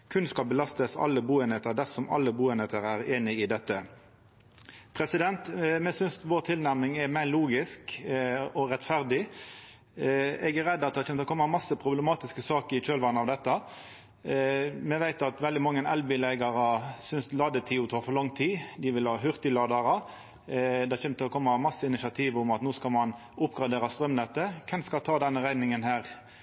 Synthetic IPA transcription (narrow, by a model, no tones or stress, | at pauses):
kʰʉnskɑbəlɑst̪əsɑ̰lːəbuːɛnɛt̪əɾd̪æɾsɔmɑ̰lːəbuːɛnɛt̪əɾæɾeːnɪɪd̪ɛt̪ːə | pʰɾɛsɪd̪ɛnt̪mɛsʏnsʋoːɾt̪ʰɪlnæʁmnɪŋɛmæɪluːɡɪsk | ɔɾɛt̪fæʁd̪ɪ | ɛɡæɾɛd̪ːɑt̪d̪ɛhɑt̪ɛnɔkʰɔmːɑmɑsːəpʰɾʊblɛmɑːt̪ɪskəsɑːkəɾɪc͡çøːlʋɑnəɑʋd̪ɛt̪ːə | mɛʋæɪt̪ɑt̪ʋɛld̪ɪmɑŋːənɛlbɪlæɪɡɑɾɑsʏnslɑːd̪ət̪ʰiːʊt̪ʰɑːfɔʁlɔŋt̪ʰiːd̪ɪʋɪlhɑːɦʏʁt̪ɪlɑːd̪ɑɾɑ | d̪ɛɑçɛːmət̪ʰɪlɔkʰɔmːɑmɑsːəɪnɪsɑt̪ʰiːʋʊmɑt̪noːskɑlmɑn | ʊpɡʁɑd̪eːɾɑst̪ɾœmnɛt̪əkʰɛmskɑlt̪ʰɑːd̪ɛnːəʁæɪnɪŋənhæːɾ